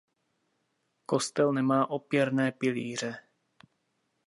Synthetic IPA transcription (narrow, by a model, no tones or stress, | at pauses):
ko̞st̪ɛlnɛmaːʔopjɛɾnɛːpɪliːr̝ɛ